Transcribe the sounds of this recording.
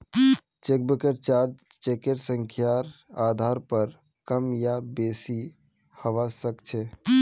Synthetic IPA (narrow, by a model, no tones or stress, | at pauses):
t͡ʃek̚bəkeɾt͡ʃaɾd͡ʒt͡ʃekeɾsəŋkʰjaɾad̪ʱaɾpəɾ | kəmjabesi | həʋasəkt͡ʃʰɛ